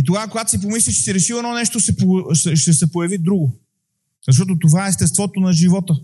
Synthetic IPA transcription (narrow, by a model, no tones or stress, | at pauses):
it̪oɡakoɡat̪o̥sip̬omislʲit͡ʃɛ̥siɾɛʃiɛnɔnɛʃt̪osɛposɛʃt̪ɛsɛpojɐvid̪ɾuɡo | zɐʃ̬t̪ɔt̪̬ot̪ovaɛːst̪ɛst̪vɔt̪onɐʒivɔt̪ə